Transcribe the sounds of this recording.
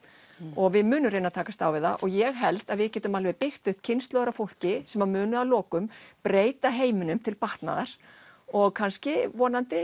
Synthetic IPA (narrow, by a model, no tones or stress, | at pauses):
ɔɣvɪðmʏːnʏmɾeːnat̪ʰaːkast̪aːwvɪða̰ʔɔɣjɛɣɦɛlt̪aðvɪðcɛːt̪ʏmalvɛjðpɪxt̪ʏhpcʰɪnst̪lœːɣɾafowl̥cɪsɛmamʏːnʏalɔːkʏmpɾeːjt̪aɦeːjmɪnʏmt̪ʰɪlpaht̪na̰ðaɾ̥ | ɔɣkʰanscɪvɔːnant̪ɪ